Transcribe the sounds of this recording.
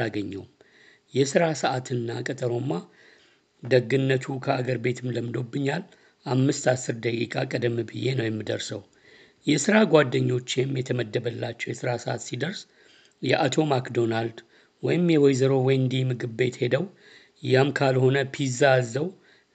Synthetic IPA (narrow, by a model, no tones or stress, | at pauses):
aɡəɲːɛwm | jɛsɨɾasəʔat̪ʰɨnːakʼət̪ʼəɾo̞mːa | d̪əɡɨnːət̪ʰukʰəaɡəɾbe̞t̪ʰɨmləmɨd̪o̞bːɨɲːal | ʔamːɨst̪asːɨɾd̪əkʼikʼakʼəd̪əmːbɨje̞nəwjɛmːɨd̪əɾsəw | jɛsɨɾaɡʷad̪ːəɲːo̞t͡ʃːemjɛt̪ʰəməd̪ːəbəlːat͡ʃːɛwjɛsɨɾasəʔa̰t̪sid̪əɾs | jɛʔat̪ʰo̞makd̪o̞nald̪ | wɔjɪmjɛwɔjzəɾo̞wɔjnd̪imɨɡɨbbe̞t̪he̞d̪əw | jamkʰalho̞nəpʰizazːəw